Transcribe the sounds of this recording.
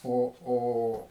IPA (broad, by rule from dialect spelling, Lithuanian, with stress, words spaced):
ˈoː ˈoː